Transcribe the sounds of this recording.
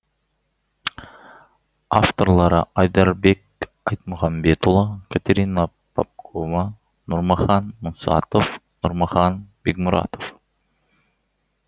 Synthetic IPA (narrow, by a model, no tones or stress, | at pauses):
aft̪oɾlˠɑɾə̰ʔɑjd̪ɑɾbek̚ | ɑjt̪̚mʊʁɑmbet̪ulˠəkʲʰat̪ʲeɾina | pʰa̰p̚kʰova | nʊɾmɑχɑnmʊnsɑ̰t̪ofnʊɾmɑχɑnb̥ek̚mʊɾɑ̰t̪of